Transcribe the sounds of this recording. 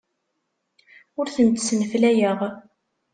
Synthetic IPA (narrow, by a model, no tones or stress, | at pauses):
ʊɾθənt̪sənəflæjəʁ